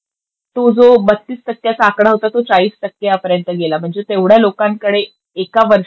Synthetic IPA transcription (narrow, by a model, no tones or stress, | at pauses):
t̪od͡zobət̪ːiːsʈ̪əkːjat͡saːkɽaɦot̪at̪ot͡saiːsʈ̪əkːejapəɾjənt̪əɡelam̤əɳd͡zet̪eʋɽ̤jalokaŋkəɽe | ekaʋəɾʂ